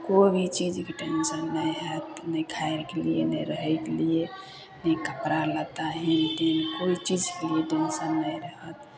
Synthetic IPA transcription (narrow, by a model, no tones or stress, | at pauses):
kobʱit͡ʃid͡ʒkeʈensənːəjɦət̪nəjkʰajeɾkelijḛnə̰ɾəɦəjkelie | nəjkəpɾalət̪aɦintenkoit͡ʃid͡ʒkelieʈenʃənːəjɾəɦət̪̚